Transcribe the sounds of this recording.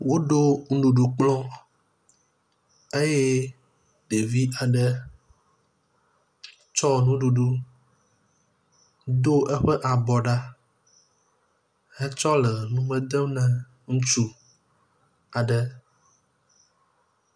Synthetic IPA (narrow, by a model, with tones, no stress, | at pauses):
wo˦ɖo˦ŋ̩˦ɖu˨ɖu˨k͡plɔ̃˦ | e˦je˦ | ɖ̥e˨vi˦a˨ɖə˦ | t͡ʃɔ˦nũ˦ɖu˨ɖu˦ | d̪o˦ɛ˦ɸɛ˦ʔa˨bɔ˨ɖa˦ | hɛ˦t͡ʃɔ˦lə˨nũ˦mɛ̃˦d̪ə˦mnɛ̃˨ | ŋũ˦t͡ʃu˦ | a˨ɖə˦